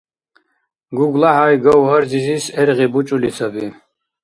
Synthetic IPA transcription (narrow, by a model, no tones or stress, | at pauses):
ɡuɡlaɦajɡɔwɦəɾd͡zizisɛɾʁibut͡ʃʼulisabi